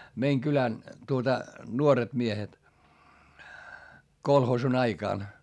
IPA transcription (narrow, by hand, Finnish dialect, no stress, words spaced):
meiŋ kylæn tuotɑ nuoret miehet kolhoːsun ɑikɑˑn